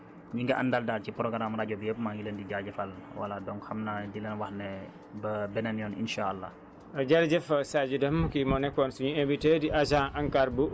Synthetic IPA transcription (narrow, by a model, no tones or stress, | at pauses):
ɲiŋɡaʔa̰ndaldalcipɾɔɡɾamɾaɟɔbjəpmaŋɡiləndiɟalɟɛfalwa̰ladɔŋxamnadilɛnwahnɛ | bəbɛnɛnjɔnḭnʃaalːa̰ | ɐɟaɾd͡ʒɛfɐsad͡ʒudɐmkimɔnɛkːɔːnsuɲuembitediʔad͡ʒãʔaŋkaːɾbu